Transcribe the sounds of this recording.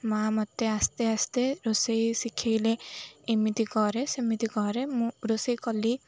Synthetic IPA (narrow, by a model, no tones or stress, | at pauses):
maamɔt̪ːeast̪east̪eɾosejsikʰːejleimit̪ikɔɾesimit̪ikɔɾemũɾosejkɔli